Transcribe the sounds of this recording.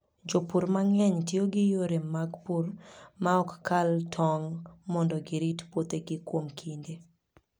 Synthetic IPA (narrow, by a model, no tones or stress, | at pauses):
d͡ʒopuɾmaŋɛɲtjoɡɪjoɾemaɡpurmaɔkːaltʰɔŋmɔndɔɡɪɾitpot̪eɡɪkwomkʰinde